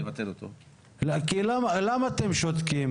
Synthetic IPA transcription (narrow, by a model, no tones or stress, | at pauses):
evat̪elot̪o̰ | lakilamalamaːt̪emʃot̪kim